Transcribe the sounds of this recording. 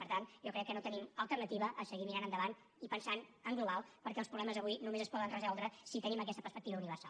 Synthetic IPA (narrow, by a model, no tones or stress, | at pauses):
pəɾt̪anʒɔkɾɛkːənot̪əniməlˠt̪ərnət̪iβəʔːsəɣimiɾanənd̪əβan | ipənsanəŋɡluβalˠpəɾkɛəlˠpɾuɣlɛməzəβujnumezəspɔðənrəzɔlˠd̪ɾəsit̪əniməkɛst̪əpəspək̚t̪iβəuniβəɾsa̰l